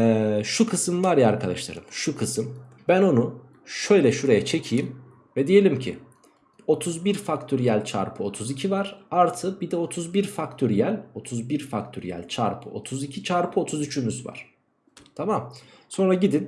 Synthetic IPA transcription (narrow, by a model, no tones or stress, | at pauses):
ɛʃukʰɯsɯmvaɾjaaɾkʰad̪aʃlˠa̰ɾɯ̰mʃukʰɯsɯm | bæno̞nu | ʃø̞jlʲɛʃuɾejɛt͡ʃʰe̞cʰijim | vɛd̪ije̞lʲimcʰḭ | o̞t̪ʰuzbiɾfakt̪ʰoɾijælʲt͡ʃʰa̰ɾpʰɯo̞t̪ʰuzicʰivaɾ̥aɾt̪ʰɯbid̪ɛo̞t̪ʰuzbiɾfakt̪ʰyɾijælʲo̞t̪ʰuzbiɾfakt̪ʰoɾḭjæ̰lʲt͡ʃʰa̰ɾpʰɯ̰o̞̰t̪ʰuzicʰit͡ʃʰaɾpʰɯo̞t̪ʰuzyt͡ʃʰymyzva̰ɾ̥ | t̪ʰamam | so̞nɾaɟid̪in